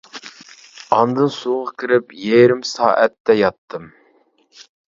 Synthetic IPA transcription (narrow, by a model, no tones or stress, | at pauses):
ɑnd̪ɨnsuʁɑkʲʰɪɾɪpjeɾɪmsɑ̰ːʔɛ̰t̪ːɛjɑt̪ʰːɨm